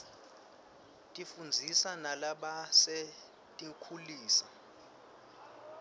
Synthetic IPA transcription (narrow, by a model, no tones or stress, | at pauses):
tʼifund͡zʱisanalaɓase | tʼiŋkʰuliːsa